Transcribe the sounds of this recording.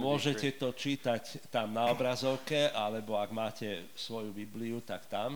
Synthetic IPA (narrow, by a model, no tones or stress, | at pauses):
mʊɔʒɛcɛt̪ɔt͡ʃiːt̪act̪amnaɔbɾazɔʊkɛʔalɛbɔaɡmaːcɛ | sʋɔjubibliut̪akt̪am